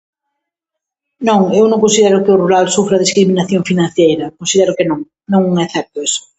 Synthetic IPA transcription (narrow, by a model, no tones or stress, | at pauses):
nõŋewnõŋkõnsiðɛɾʊkɪʊruɾalsufɾɐðiskɾimĩnaθjõŋfinãnθjejɾɐkõnsiðɛɾʊkenõŋ | nõŋuŋeθɛp̚t̪oes